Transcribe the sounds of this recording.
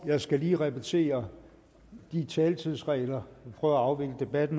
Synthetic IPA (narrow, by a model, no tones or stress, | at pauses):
jɑ̈ɪsɡ̥æliːʁɛbʰit͡sʰe̝̰ːɐ | d̥it͡sʰɛːlt͡sʰið̞̰ˠsʁɛ̰ɪlɐpʰʁœːð̩ˠɐɑ̈ʊʋe̝ɡ̥ləd̥e̝b̥æd̥n̩